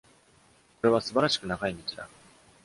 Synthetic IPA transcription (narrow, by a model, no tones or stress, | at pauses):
ko̞ɾe̞β̞asɨbaɾaɕi̥kɯ̟naɡaiɲ̟it͡ɕid̪a̰